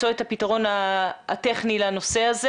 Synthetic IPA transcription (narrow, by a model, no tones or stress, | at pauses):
o̞ethapitaʁo̞naːteχnilano̞seaze